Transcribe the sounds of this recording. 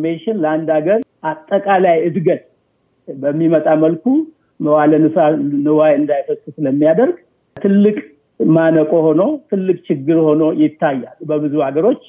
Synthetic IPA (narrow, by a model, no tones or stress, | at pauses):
meʃɪnləand̪aɡəɾʔat̪ʼːəkʼalajɨd̪ɡət̪ | bəmːimət̪ʼaməlku | mwalənɨsanɨwajɨnd̪ajfəsʼusɨləmːijad̪əɾɡ | t̪ʰɨlːɨkʼ | manəkʼoho̞no̞t̪ʰɨlːɨkʼt͡ʃɪɡːɨɾho̞no̞jɪt̪ʰːajːalbəbɨzuhaɡəɾo̞t͡ʃː